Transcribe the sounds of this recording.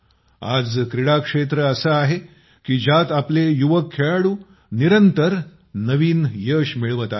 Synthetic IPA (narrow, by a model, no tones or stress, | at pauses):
a̰d͡zkɾiɽakʂet̪ɾəəsəaɦe | kiːd͡ʑat̪aplejuʋəkʰːeɭaɽuː | niɾənt̪əɾ | nəʋiːnjəːɕmiɭʋət̪a